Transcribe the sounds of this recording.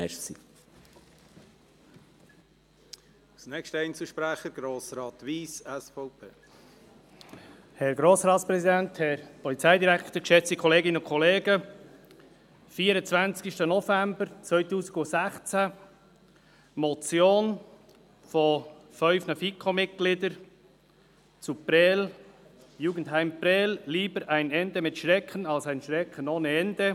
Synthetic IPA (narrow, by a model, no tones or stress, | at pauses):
mɛsi | ɑsnɛkʃtəɛɪnt͡səl̩ʃpɾæχəɾɡ̥ɾoːsɾɑːt̪ʋiːsɛsfɔʊpʰeː | hɛɾɡɾoːsɾɑːtspɾɛsid̪ænt̪hɛɾpɔlit͡sɛjd̪iɾækʰt̪əkʃɛt͡sikʰχɔleːɡɪnəʊnkχɔleːɡə | fiːəɾət͡sv̥ant͡sɪʃtənofɛmbəɾt͡svœʏtuːziɡʊsɛχt͡sæ | mot͡sjoːn | fofœʏfnɑfikʰomɪt̚ɡ̥lɪdəɾ | t͡supɾɛl | juːɡn̩thæɪmpɾɛːlliːbəɾʔaɪnɛndɛmɪtʃʁɛkənɑlsaɪnʃɾɛkʰənoːnəɛnd̥e